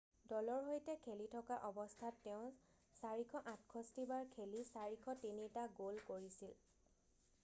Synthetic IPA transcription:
dɔlɔɹɦojtɛkʰelitʰɔkaʔɔbɔstʰatːɛʊ̃ | saɹikʰɔʔãt̚ʰkʰɔstibaɹkʰelisaɹikʰɔtinitaɡolkoɹisil

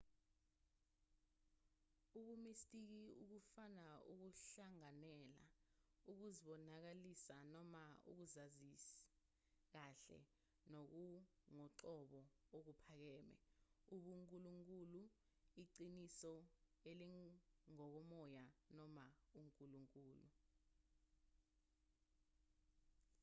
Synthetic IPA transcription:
uɓumistʼik̬iuk̬ufanauk̬uɬaŋanɛla̰uk̬uziɓɔnak̬alisanɔmaṵk̬uzazis | k̬aɬɛ̰ | nok̬uŋɔǀɔɓɔok̬upʰak̬ɛːmɛ̰uɓuŋkʼuluŋkʼulu | iǀinisɔ | eliŋɔk̬ɔmɔjanɔmauŋkʼuluŋkʼuːlṵ

